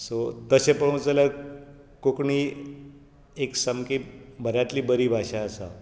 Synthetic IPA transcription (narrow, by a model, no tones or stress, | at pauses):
sot̪əsẽpəɽũt͡səla | kokɳiː | eksəmkibʱəɾjat̪liːbəɾiːbʱaɕaəsa̰